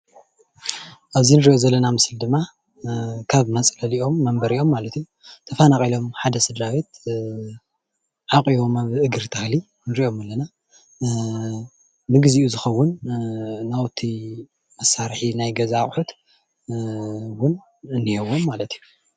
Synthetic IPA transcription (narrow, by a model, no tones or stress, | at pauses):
ʔaβzinɨɾiʔo̞zɐlːɐnamɨsɨld̪ɨmːa | kʰaβmɐt͡sʼlɐliʔo̞mːɐmbɐɾiʔo̞mːalɐt̪iju | t̪ʰɐfɐnakʼilo̞mħad̪ɐsɨd̪ɾawet̪̚ | ʕakʼio̞maβʔɨɡɨɾt̪ʰaxli | nɨɾiʔo̞malːɐna | nɨɡɨziʔuzɨxɐwːʊnː | awt̪ʰi | mɐsːaɾħinajɡɐzaχʼħut̪ | wʊn | ɨnːihewomːalɐt̪ʰiju